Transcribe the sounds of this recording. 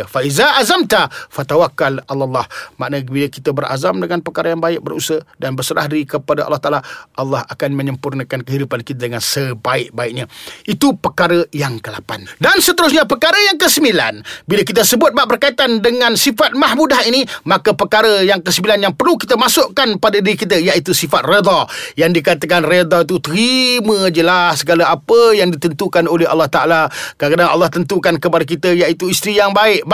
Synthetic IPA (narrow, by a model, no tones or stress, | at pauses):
faizaazamt̪afat̪awakːalallːɑhma̰ʔnəbilakit̪abərʔa̰zamdəŋanpərkaɾəjaŋbaɪʔ̚bəɾṵsədanbərsəɾa̰hdaɾikəpadaʔɑ̰lːɑht̪a̰ʔalaʔɑlːɑhakanmə̃ɲəmpurnəkankəɦidupankit̪̬adəŋansəbaɪʔ̚baɪʔ̚ɲaʔit̪upəkaɾəjaŋkəlapa̰ndansət̪əɾʊs̬ɲapəkaɾəjaŋkəsəmbila̰nbilak̬it̪̬əsəbʊt̪̚baʔbərkait̪andəŋãnsifat̪̚mahmudaɦinimakəpəkaɾəjaŋkəsəmbilanjaŋpərlukit̪əmasʊʔkanpadadiɾikit̪əjaʔit̪usifat̪̚red̪ɑjaŋdikat̪əkanred̪ɑit̪ut̪əɾimə̃d͡ʒəlahsəɡalaapəjaŋdit̪ənt̪ukanoleɦɑ̰lːɑht̪aʔalakakadaŋɑ̰lːɑht̪ənt̪ukankəpadak̬it̪əjaʔit̪uist̪ɾijaŋbaɪʔ